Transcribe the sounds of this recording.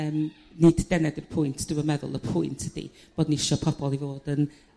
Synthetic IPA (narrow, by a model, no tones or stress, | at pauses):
əːm | niddɛnɛdərpʰʊjntʰd̥əwəmɛðʊ̰lˠəpʰʊjntʰəd̥ḭ | b̥odniɪʃɔpʰɔb̥ɔlˠivoːd̥ən